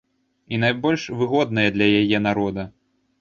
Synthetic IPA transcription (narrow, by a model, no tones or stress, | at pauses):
in̪ajbɔlʲʂvɨɣɔd̪̚nɐjɐd̪lʲɐjajɛnaɾɔd̪ɐ